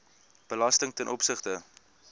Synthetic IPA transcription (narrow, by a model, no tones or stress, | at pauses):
b̥əlɐstəŋtɛnʔɔpsəχtə